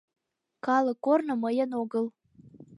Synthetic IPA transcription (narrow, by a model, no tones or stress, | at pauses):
kɑlɤ̆kːornŏməjə̆noɣəl